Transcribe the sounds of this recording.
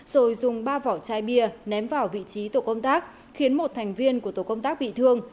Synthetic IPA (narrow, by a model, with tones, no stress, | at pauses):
z̥o˨˩jzʊ˨˩ŋ͡mɓaː˧vɔ˧˩wt͡ɕaː˧jɓi˧ənɛ˨˦mvaː˨˩wvḭ˧˨t͡ɕi˨˦t̪o˧˩kə˧wŋ͡mt̪aː˦˥k̚ | xi˨˦ənmo˨˩t̚t̪ʰɛ˨˩jŋ̟vi˧ənku˧˩ət̪o̰˧˩kə˧wŋ͡mt̪aː˦˥k̚ɓḭ˧˨t̪ʰɨ˧əŋ